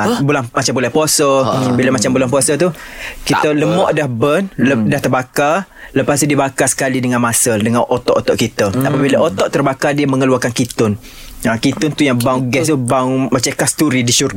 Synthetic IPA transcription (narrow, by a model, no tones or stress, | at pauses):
bulaŋmat͡ʃambulɛhpuasəbilamat͡ʃambulanpuasət̪ukit̪ələmɔʔdahbənldaht̪ərbaka | ləpast̪udiəbakasə̥kalidəŋanmasədəŋanʔot̪ɔʔot̪ɔʔkit̪əapabilaʔot̪ɔʔt̪ərbakadiəməŋəluakankit̪ʊn | akit̪ʊnt̪ujaŋbawɡɛst̪ubawŋmat͡ʃakast̪uɾidiʃur